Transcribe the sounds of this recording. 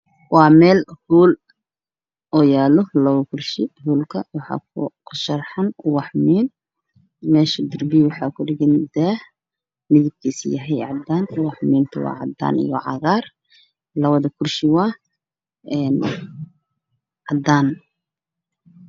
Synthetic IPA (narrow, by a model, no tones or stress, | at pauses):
wɑːmɛːlhuːl | ɔːjaːlɔlɐwɐkʰʊrʃɪhuːlkʰɐwɑħɑ̰kkʰʊʃɐrħɑnwɑħmiːn | mɛːʃɐd̪ʊrbiwɑħɑːkʰʊɖɪɣɪnd̪ɛːh | mɪðɪb̚k̪ʰiːsjɐɦɛjʕɑd̪aːnwɑħmiːnt̪ʰʊwɑ̰ːʕɑd̪a̰ːnḭjɔ̰ʕɑ̰ɣaːr | lɐβɐðɐkʰʊrʃɪwɑː | ɛːn | ʕɑd̪aːn